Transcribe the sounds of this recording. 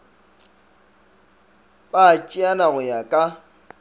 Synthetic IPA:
bat͡ʃʼɪanaɣʊjakʼa

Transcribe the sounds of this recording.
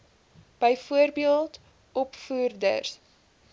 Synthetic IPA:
b̥əjfuərbiəlˠt | ʔɔpfuːrdə̰rs

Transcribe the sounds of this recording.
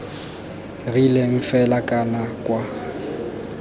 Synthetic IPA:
rileŋ̩fɛlakʼanakʼwa

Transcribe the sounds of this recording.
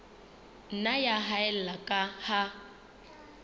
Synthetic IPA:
n̩najaɦaɛl̩lakʼaha

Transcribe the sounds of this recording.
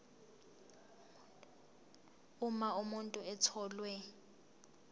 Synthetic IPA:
ʊmaumuntʼʊɛt͡sʰɔːlwɛ

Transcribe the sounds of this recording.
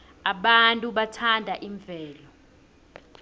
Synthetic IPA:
aɓantʼuɓatʰandʱaʔiɱvʱɛːlɔ

